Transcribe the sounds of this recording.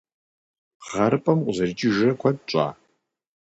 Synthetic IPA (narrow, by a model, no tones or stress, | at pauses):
ʁɐɾɨpʼɐmqʷʼzɐrt͡ʃʼɪʒɐkʷʰad̚t͡ʃʷʼa̰